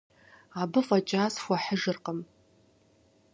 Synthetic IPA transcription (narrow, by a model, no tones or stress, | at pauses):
abɨfʼat͡ʃʼaːzxʷaħəʐɨrqʼəm